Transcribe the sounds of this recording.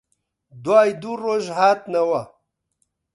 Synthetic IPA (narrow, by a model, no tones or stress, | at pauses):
d̪waːjd̪uɾoʒɦaːt̪nawa